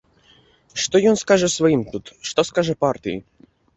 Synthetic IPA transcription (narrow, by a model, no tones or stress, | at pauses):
ʂt̪ojɔnskaʐɛsvɐjimt̪ut̪ʂt̪oskaʐɛpart̪ʲijḭ